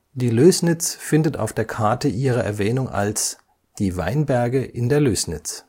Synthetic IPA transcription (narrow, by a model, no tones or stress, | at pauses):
d̥iːløːsnɪt͡sfɪndəta̰ʊfd̥eːɐkʰaɐtəʔiːʁ̞ɐʔɛ̰ɐvɛːnʊŋʔa̰ls | d̥iːva̰ɪnbɛɐɡəʔɪndeːɐløːsnɪt͡s